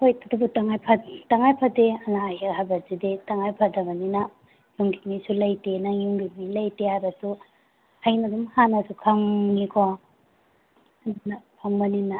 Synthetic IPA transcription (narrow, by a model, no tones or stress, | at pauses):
hojtatubutaŋajpʰataŋajpʰadeɐnaːjeɦabɐɾzidetaŋajpʰadɐbɐninɐ | juŋɡimisulɐjtenajuŋɡimilajtehajbɐsu | ajnɐdumhanɐsukʰaŋːikʰo | napʰaŋbɐnina